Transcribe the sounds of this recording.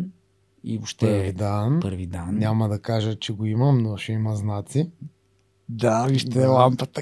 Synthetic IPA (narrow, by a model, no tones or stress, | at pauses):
ioʃt̪ɛɾvid̪anpəɾvid̪annʲamɐd̪ɐkaʒət͡ʃɛɡoiməmnoʃɛimɐznat̪si | d̪aviʃt̪ɛlˠampət̪ə